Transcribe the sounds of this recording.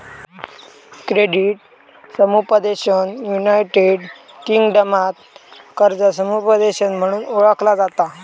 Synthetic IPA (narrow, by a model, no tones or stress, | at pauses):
kɾeɖiʈ | səmupəd̪eɕənjunajʈeɖ | kiŋɡɖəmat̪kəɾd͡zasəmupəd̪eɕənm̤əɽ̃uːnoɭəklad͡zat̪a